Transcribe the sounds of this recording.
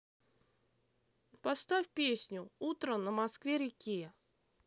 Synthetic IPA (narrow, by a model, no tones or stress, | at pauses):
pɐst̪afʲpʲesʲnʲʊut̪ɾənəmɐskvʲeɾʲɪkʲe